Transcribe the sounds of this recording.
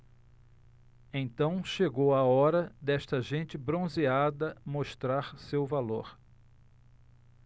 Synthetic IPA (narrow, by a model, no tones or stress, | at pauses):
ẽt̪ɐ̃w̃ʃeɡowaɔɾɐd̪ɛʃt̪ɐʒẽnt͡ʃɪbɾõziad̪ɐmoʃt̪ɾaɾsewvaloɾ